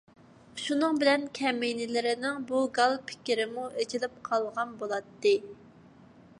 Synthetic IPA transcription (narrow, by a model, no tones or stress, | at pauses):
ʃunɨŋbɪlɛnkʲʰɛmɪjnɪlɪɾɪnɪŋbuɡɑlˠpʰɪ̥kʲiɾɪmuʔed͡ʒilɪp̚qʰɑlˠʁɑnbolˠɑt̪ːɨ